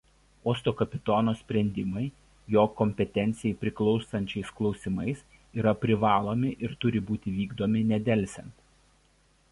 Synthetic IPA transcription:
oːst̪oːkɐpʲɪt̪oːnoːsʲpʲɾʲɛnʲd̪ʲɪmɐɪ | joːkɔmʲpʲɛt̪ʲɛnʲt̪sʲɪjɛɪpʲɾʲɪklˠɒʊsɐnʲt͡ʃʲɛɪsklˠɒʊsʲɪmɐɪs | iːɾɐpʲɾʲɪʋɑːlˠoːmʲɪʔɪɾt̪ʊɾʲɪbuːt̪ʲɪʋʲiːɡd̪oːmʲɪnʲɛd̪ʲɛlʲsʲɛnt̪

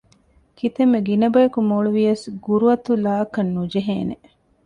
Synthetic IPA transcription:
kʰit̪emːeɡinɐbɐjɐkumoːɭuʋijɐsɡuɾuɐt̪ulaːkɐnːud͡ʒeɦḛːnḛ

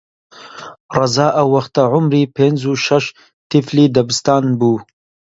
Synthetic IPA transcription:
rɑzaːʔɐwːɐxt̪ɐʕʊmɾiːpʰeːnzuʃɐʃ | t̪ifliːd̪ɐbɨst̪aːnbuː

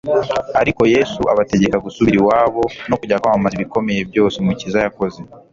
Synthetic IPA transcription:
aɾiko̞je̞suʔa̰βate̞ɟe̞kaɡusuβiɾiwaːβo̞no̞kuɟakamumaziβiko̞me̞je̞bjo̞ːsimucizajako̞ze̞

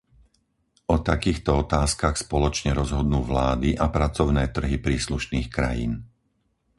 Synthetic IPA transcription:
ʔɔt̪akiːxt̪ɔɔt̪aːskaxspɔlɔt͡ʃɲɛɾɔzɦɔd̪nuːʋlaːd̪iʔapɾat͡sɔʊnɛːt̪r̩ɦipɾiːsluʃniːxkɾa̰jḭːn

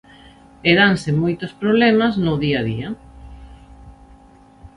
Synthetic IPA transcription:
eðansemojt̪ospɾoβlɛmaznʊðiaðia

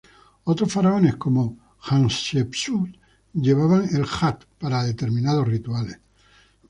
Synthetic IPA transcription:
ot̪ɾosfaɾao̞neskomo | xansepsut̪ | ʎe̞β̞aβaŋelxat̪paɾaðe̞t̪e̞ɾmĩnað̞osrit̪uales

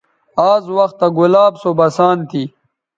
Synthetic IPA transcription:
aːzwɐxt̪ːaɡulaːbsobɐsaːnt̪ʰi

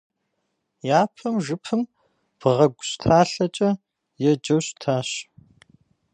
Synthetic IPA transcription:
jaːpʰɐmʒɨpʰɨm | b̥ɨʁɐɡʷʊɕtʰaːɬɐt͡ʃʼɐ | jɛd͡ʒɐwɕtʰaːɕ

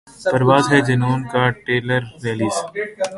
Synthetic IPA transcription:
pɐɾʋaːzɦɛd͡ʒɐnoːnkaʈeːləɾːeːliːs

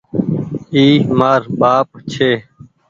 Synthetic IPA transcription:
iːmaːɾɓaːp̚t͡ʃʰeː

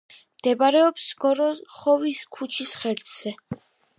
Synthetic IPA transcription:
md̪̥ɛbaɾɛɔpsɡ̥ɔɾɔχɔviskʰut͡ʃʰisχɛɾd̪z̥ɛ

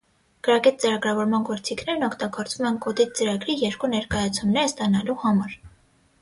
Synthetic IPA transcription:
ɡ̥əɾɑkɛt̪̚t͡səɾɑɡɾɑvɔɾmɑnɡɔɾt͡sikʰnɛɾnɔkʰt̪ɑɡɔɾt͡svumɛnkɔd̪it̪̚t͡səɾɑɡɾijɛɾkunɛɾkɑjɑt͡sʰumnɛɾəst̪ɑnɑluhɑmɑɾ

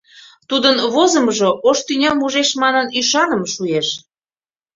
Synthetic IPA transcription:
t̪ud̪ənβozəmʒoʔoʃt̪ynʲɑmuʒeʃmɑnɤnyʃɑnəmʃueʃ

